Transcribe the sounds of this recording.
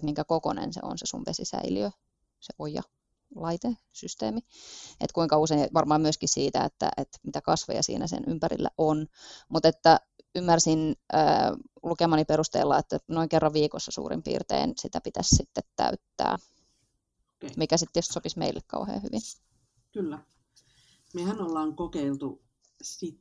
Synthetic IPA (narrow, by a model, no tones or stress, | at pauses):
t̪miŋkækokonḛnsḛo̰nsesuʋʋesisæiliø | seʔojɑ̰ | lɑit̪e | syst̪eːmiḛt̪kuiŋkɑuseinʋɑrmɑːmyøskissiːt̪æet̪ːæ̰ʔet̪mit̪ækɑsʋḛjɑsḭːnæsḛnympæɾilːæ̰ʔonmut̪et̪ːæ | ymːærsinʔə̰ː | lukemɑːnipeɾust̪ḛlːɑet̪ːænoiŋkerːɑʋʋiːkosːɑsṵːrḭmpḭːrt̪ḛinsit̪æpit̪æssit̪ːet̪tːæ̰yt̪ːæ̰ː | kemikæsit̪ːjost̪sopismeilːekkɑuhḛːhyʋin | kylːæ | mehænolːɑːŋkokeilt̪u | sit̪